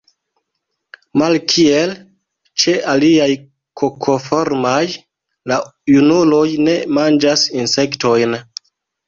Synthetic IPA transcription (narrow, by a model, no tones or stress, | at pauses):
malkʰie̞l | t͡ʃe̞ʔaliaj | kʰo̞kʰo̞fo̞ɾmaj | lajunulo̞jne̞mand͡ʒasinse̞kto̞jn